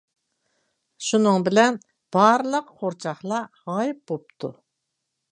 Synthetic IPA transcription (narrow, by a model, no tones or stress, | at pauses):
ʃunɨŋbɪlɛn | b̥ɑɾɨlˠəqqʰoɾt͡ʃʰɑχlˠɑʁɑːjɪp̚bop̚t̪ʰu